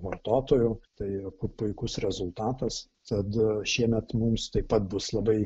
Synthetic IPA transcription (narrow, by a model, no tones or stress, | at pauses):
ʋɐrt̪oːt̪oːjʊt̪ɐɪɐpʊpʊɪkʊsɾʲɛzʊlˠt̪ɑːt̪ɐs | t̪ɐt̪ʃʲiɛmʲɛt̪mumst̪ɐɪpɐt̪̚bʊslˠɐbɐɪ